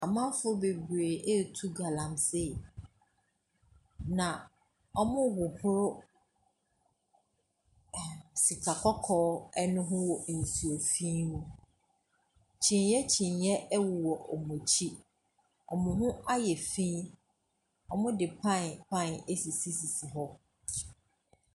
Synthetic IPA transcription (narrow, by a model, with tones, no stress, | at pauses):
a˨mã˦fʊ˦be˨bu˨ɾe˨ʔe˦˨tʰu˦ɡa˨lã˨msɪ˦˨ | nã˨ | ɔ˦mʊ̃˦wʊ˨hʊ˦ɾʊ˦˨ | si˨kʰa˨kʰɔ˦kʰɔː˦ɛ˦nʊ̃˦ɦʊ̃˦wɔ˨n̩˨su˨o˨fĩ˦nũ˦ | t͡ɕʰĩ˨n˦jɛ˦t͡ɕʰĩ˨njɛ˦ʔɛ˦wʊ˨wɔ˨ʔɔ˨mɔ̃˨t͡ɕʰi˦ | ɔ˨mʊ̃˨ɦʊ̃˦a˦jɛ˨fĩ˦ | ɔ˨mʊ̃˦dɪ˨pʰã˦˨npʰã˦˨ne˦si˨si˦si˨si˨ɦɔ˦